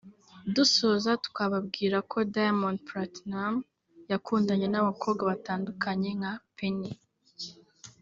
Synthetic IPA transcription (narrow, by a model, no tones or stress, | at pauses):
duso̞zatu̥kaβabɡiːɾakʰo̞dajamonpɾatnam | jakʰuːndaɲe̞naβakʰo̞ːbɡwaβataːndukʰaɲe̞ŋapeni